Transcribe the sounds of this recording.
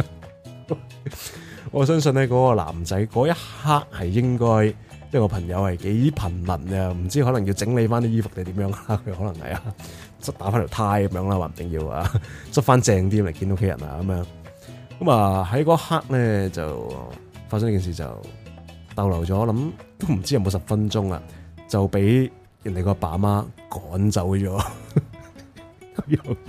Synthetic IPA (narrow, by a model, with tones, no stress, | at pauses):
ŋɔː˨˧s̬œː˥ŋs̬ɵ˧nɛː˥kɔː˨˥kɔː˧la̰ː˨˩mt͡sɐ˨˥jkɔː˨˥jɐ˥t̚haː˥k̚hɐ˨jːɪ˥ŋkɔː˥j | nɐ˥kɔ˧pʰɐ˨˩ŋjɐ˨˧whɐ˨˩jke˨˥jpʰɐ˨˩nmɐ˨˩nɐ˧m̩˨˩t͡siː˥hɔ˨˥lɐ˨˩ŋji˧wt͡sɪ˨˥ŋle˨˧jfaː˥niː˥jiː˥fʊ˨k̚t̪e˨t̪iː˨˥mjœː˨˧˥ŋlaː˥kʰɵ˨˧ɥhɔː˨˥lɐ˨˩ŋhɐ̰˨ja̰ː˧ | t͡sɐ˥t̚t̪aː˨˥faː˥nt̪ʰi˨˩t̪ʰaː˧˥jkɐ˧˦mjœː˧˥ŋlaː˧waː˨˩m̩˨˩t̪ɪ˨˩ŋjiː˧wa̰˨˧t͡st̚faː˥nt͡sɛː˧ŋt̪̬iː˥˨le˨˩ki˧no˥kʰe˨˧jɐ̰˨˩na̰ː˨kɐ˨˦mjœː˨˧˥ŋ | kɐ˨˥mɐ˨ɦɐ˨˥jkɔː˧˥haː˥k̚lɛː˥t͡sɐ̰˨w | faː˧tsɐ˥ŋli˥kiː˨nsiː˨t͡sɐ̰˨w | t̪ɐ˧wlɐ˨˩wt͡ʃɔː˨˥ɔː˧lɐ˨˥mt̪o˥wm̩˨˩t͡siː˥jɐ˨˧mo˨˧wsɐ˨p̚fɐ˥nt͡ʃʊ˥ŋa̰˨t͡sɐ˨wpe˨˥j | jɐ˨˩nt̪e˨˩jkɔː˧paː˨˩maː˥kɔː˨˥nt͡sɐ˨˧˥wt͡ʃɔː˨˥ | kɔ˧˥jɔ˧